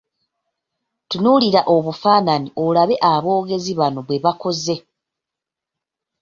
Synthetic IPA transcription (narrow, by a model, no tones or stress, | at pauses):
tunuliɾaʔo̞βufaːnaniʔo̞laβe̞ʔaβo̞ːɡe̞ziβano̞βwe̞βako̞ze̞